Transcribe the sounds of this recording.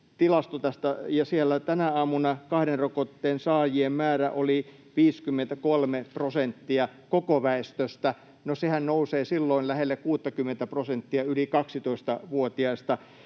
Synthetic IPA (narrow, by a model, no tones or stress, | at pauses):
t̪ilɑst̪ot̪æst̪æjɑsielːæt̪ænæɑːmunɑkɑhɾenrokot̪ːeːnsɑːjiemmæːræʔoli | ʋiːskymːent̪ækolmeprosent̪ːiɑkokoʋæest̪øst̪æ | nosehænnouseːsilːoinlæhelːekkuːt̪ːɑkymːent̪æprosent̪ːiɑylikɑksit̪oist̪ɑʋuot̪iɑist̪ɑ